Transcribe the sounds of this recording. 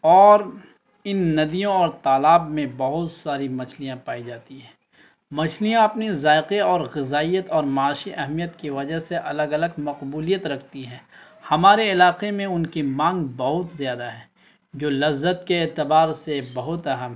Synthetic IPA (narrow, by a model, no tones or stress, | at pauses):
ɔːɾ | ɪnːɐd̪ijõɔːɾt̪aːlaːbmẽbɐɦʊt̪saːɾimɐt͡ʃʰlijãpaːid͡ʒaːt̪iɦɛ̃ː | mɐt͡ʃʰlijãɐpnizaːɪqeɔːɾɣɪzaːijət̪ɔːɾmaaːʃiʔɛɦmijət̪kiʋɐd͡ʒaɦseʔɐləɡɐləɡmɐqbuːlijət̪ɾɐkʰt̪iɦɛ̃ː | hɐmaːɾeɪlaːqemẽʊnkimãːŋɡbɐɦʊt̪zjaːd̪aɦɛː | d͡ʒoːlɐzːət̪keːt̪ɪbaːɾsebɐɦʊt̪ɐɦəm